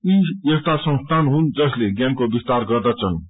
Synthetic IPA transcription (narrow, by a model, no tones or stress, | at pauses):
iestʈ̪asʌ̃st̪ʰanɦund͡zʌsleɡjankobist̪aɾɡʌrd̪at͡sʰʌn